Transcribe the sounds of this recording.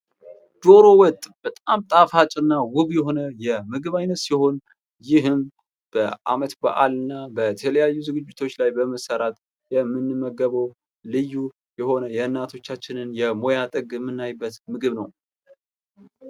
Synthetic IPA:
d̪̥oɾo̞wɔt̪ʼb̥ət̪ʼamt̪ʼafat͡ʃʼɨnːawʊβjɛho̞nəjɛmɨɡɨβajnət̪siho̞n | jɪɦɨm | b̥əʔa̰mət̪ba̰ʔalɨnːabət̪ʰələjajːuzɨɡɨd͡ʒːɪt̪ʰo̞t͡ʃːlajbəməsəɾat̪ʼ | jɛmːɨnːɨmːəɡəβəw | lɨjːu | jɛho̞nəjɛɨnːat̪ʰo̞t͡ʃːat͡ʃːɪnɨnjɛmo̞jat̪ʼɨɡɛmːɨnːajbːət̪mɨɡɨβnəw

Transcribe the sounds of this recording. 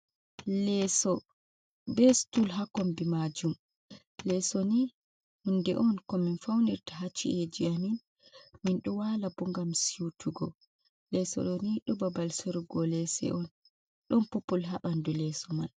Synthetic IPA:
lɛsɔ | bɛstulɦakɔmbimad͡ʒum | lɛsɔni | hundɛʔɔnkɔminfawniɾtaɦat͡ʃːiʔed͡ʒiamin | minɗɔwalabɔŋɡamsiutʰuɡɔ̰ | lɛsɔ̰ɗɔniɗubabalsoɾuɡɔlɛsɛ̰ʔɔn | ɗɔnpopulɦaɓandulɛsɔman

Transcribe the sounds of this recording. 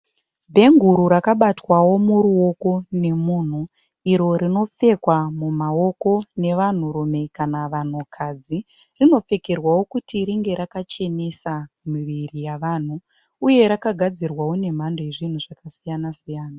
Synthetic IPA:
bʱe̞ŋɡuɾuɾakaɓatwawo̞muɾuo̞ko̞ne̞muːn̤u | iɾo̞ɾino̞p͡fe̞kwamumao̞ko̞ne̞ʋan̤uɾume̞kanaʋan̤ukʰad͡zi | rino̞p͡fe̞ke̞rwawo̞kutiɾiŋɡe̞ɾakat͡ʃe̞ne̞sa | miʋirijaʋaːn̤u | uje̞ɾakaɡʱad͡zirwawone̞m̤andoje̞ʐin̤uʐakasijanasijaːna

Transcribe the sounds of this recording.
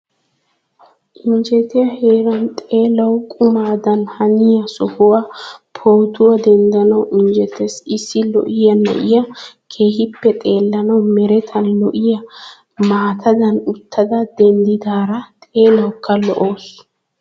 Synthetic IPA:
ʔɪɲd͡ʒɛt̪ɪjɐheːɾɐnt̪ʼe̞ːlɐwkʼʊmaːd̪ɐnhɐnɪjɐsɔhʊwapʰoːt̪ʊwɐd̪ɛnd̪ɐnɐwʔɪnd͡ʒɛt̪ɛsɪsːɪlɔ̰ʔɪjɐnɐ̰ʔɪjɐkʰe̞ːhɪpːɛt̪ʼe̞ːlːɐnɐwmɛɾɛt̪ʰɐnlɔʔɪjɐ | maːt̪ʰɐd̪ɐnʊt̪ʰːɐd̪ɐd̪ɛnd̪ɪd̪aːɾɐt̪ʼe̞ːlɐwkʰːɐlɔ̰ʔo̞ːs

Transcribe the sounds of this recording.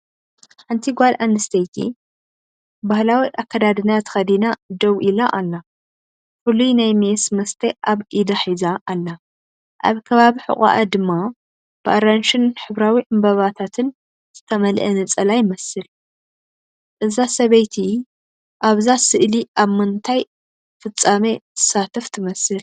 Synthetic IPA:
ħɨnt̪ʰiɡʷalʔanɨst̪ʰɐjt̪ʰḭ | bahlawiʔakːɐd̪ad̪ɨnat̪ʰɨ̥xɐd̪inad̪ɐwʔilaʔalːa | fɨlujnajmesmɐst̪ʰeʔaβʔid̪aħizaʔalːa | ʔa̰βkʰɐβaβiħɨ̰χʼa̰ʔad̪ɨmːa | b̥ɨʔaɾanʃɪnħɨβɾawiʔɨmbɐβat̪ʰat̪ʰɨn | z̥ɨt̪ʰɐmɐlʔɐnɨt͡sʼɐlajɪmɐsɨl | ʔɨzasɐβɐjt̪ʰi | ʔaβzasɨʔliʔaβmɨnt̪ʰaj | fɨt͡sʼːamet̪ʰɨ̥sat̪ʰɐft̪ʰɨmɐsɨl

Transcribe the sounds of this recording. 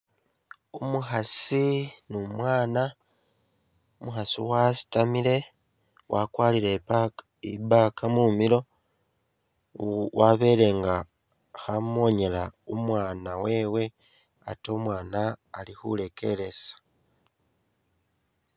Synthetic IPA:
umuɦasinumwaːna | umuɦasḭwasi̥tamile̞ | wʔakwaːlile | iβaːkʰamumilo̞ | waβe̞le̞ŋɡa | hamo̞ɲe̞laumwaːnawe̞ːwe̞ | a̰to̞mwaːnaːlihṵle̞kʰe̞ɾe̞sḁ

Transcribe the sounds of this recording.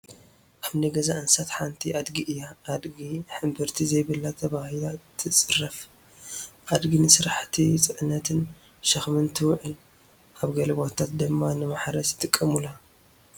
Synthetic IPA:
kʰamniɡɐzaʔɨnsat̪ħant̪ʰiʔad̪ɡiʔɨjːaʔad̪ɡiħɨmbɨɾt̪ʰizɐjβɨlːat̪ʰɐβahilat̪ʰɨt͡sʼɨrɐf | ʔad̪ɡinɨsɨɾaħt̪ʰisʼɨʕɨnːɐt̪ʰɨn | ʃɐxmɨnt̪ʰɨwʕɨl | ʔaβɡɐlɐβot̪ʰat̪̚d̪ɨmːanɨmaħɾɐsi̥t̪ʼɨkʼːɐmula

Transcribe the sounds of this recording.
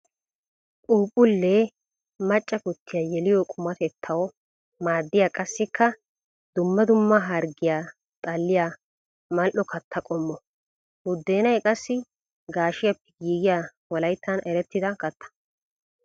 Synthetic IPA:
kʼuːpʼːʊlːe | mɐt͡ʃʼːɐkʊt̪ʰːɪjajɛlɪjɔkʼʊmɐt̪ɛt̪ʰːɐwɔ | maːd̪ːɪjaːkʼɐsːɪkːɐ | d̪ʊmːɐd̪ʊmːɐɦɐɾɡɪjaː | t̪ʼɐlːɪja | mɐlʔɔkʰɐt̪ʰːɐkʼɔmːɔ | wʊd̪ːe̞ːnɐjkʼɐsːɪ | ɡaːʃɪjɐpːɛɡiːɡɪjaː | wɔlɐjt̪ːɐnɛɾɛt̪ːɪd̪ɐkɐt̪ʰːɐ̥

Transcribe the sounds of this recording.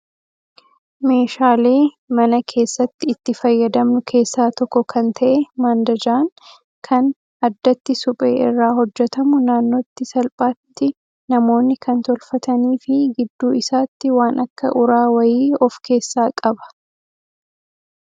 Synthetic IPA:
me̞ːʃaːle̞ː | mɐnɐkʰe̞ːsːɐt̪ːɪːt̪ːɪfɐjːɐd̪ɐmnʊkʰe̞ːsːaːt̪ɔkːɔkʰɐnt̪ʰɐʔɛmaːnd̪ɐd͡ʒaːŋ | kʰɐn | ɐd̪ːɐt̪ːɪsʊpʼḛːʔɪrːaːhɔd͡ʒːɛt̪ɐmʊnaːnːo̞ːt̪ːɪsɐlpʼaːt̪ːɪ | nɐmo̞ːnːɪkʰɐnt̪ɔlfɐt̪ɐniːfɪɡɪd̪ːuːɪsaːt̪ːɪwaːnʔɐkːɐ̰ʔʊɾaːwɐjiːɔfkʰe̞ːsːaːkʼɐbɐ̥

